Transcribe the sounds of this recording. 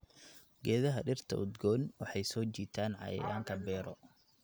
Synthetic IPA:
ɡɛːðɐɦɐɖɪrt̪ʰɐ̰ʊd̪ɡɔːnwɑħɑjsɔːt͡ʃiːt̪ʰaːnʕɑ̰jɛ̰jaːŋkʰɐbɛːɾɔ

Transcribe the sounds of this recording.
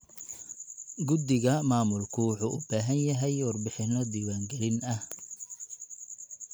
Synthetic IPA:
ɡʊd̪ɪɣɐmaːmʊlkʰʊʊħuːʔʊbaːɦɐnjɐɦɛjwɑrbɪħɪnɔd̪iːwaːŋɡɛlɪnɐh

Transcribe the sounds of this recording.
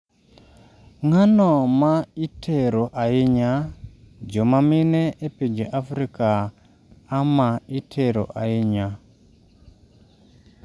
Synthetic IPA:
ŋanomaitʰeɾoʔaiɲa | d͡ʒomaminɛʔepid͡ʒeʔafɾikaː | maitʰeɾo̰ʔaiɲa

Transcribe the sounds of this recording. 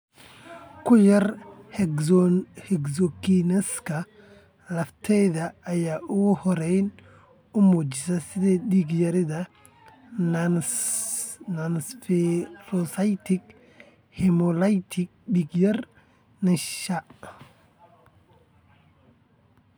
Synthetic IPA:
kʰʊjɐrhɛ | hɛɡsɔkinɛskʰɐ | lɐft̪ʰɛjðɐːjaːʔʊɣhɔɾɛjn | ʊmuːt͡ʃɪsɐsɪðɛɗiːɡjɐɾɪðɐ | nɐnsfɛrɔsajt̪ʰɪk | hɛmɔlajt̪ʰɪk̚ɗiːɡjɐr | nɪʃɐ

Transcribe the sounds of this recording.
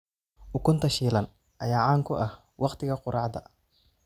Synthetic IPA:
ʔʊkʰʊnt̪ʰɐʃiːlɐn | ʔɐjaːʕaːŋkʰʊʔɐh | wɑqt̪ʰɪɣɐqʊɾɑʕd̪ɐ

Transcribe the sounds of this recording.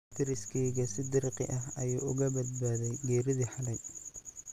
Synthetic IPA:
t̪ʰɪɾɪskʰɛjɣɐsɪd̪ɪrqɪ̰ʔɐɦɐjṵːʊɣɐbɐd̪̚baːðɛjɡɛːɾɪðiħɐlɛɡ

